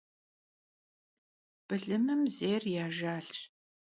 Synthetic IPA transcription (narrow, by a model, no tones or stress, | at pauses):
b̥ɨɮɨmɨmzeːrjaːʒaːɬ